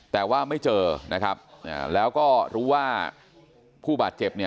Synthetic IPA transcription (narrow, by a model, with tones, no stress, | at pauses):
t̪ɛː˨˩waː˥˩ma˥˩jt͡ɕɤː˧nʔa˦˥kʰɾa˦˥p̚ʔa̰ː˧˩lɛː˦˥wkɔː˥˩ɾuː˦˥waː˥˩ | pʰuː˥˩baː˨˩t̪̚t͡ɕe˨˩p̚ni˥˩ə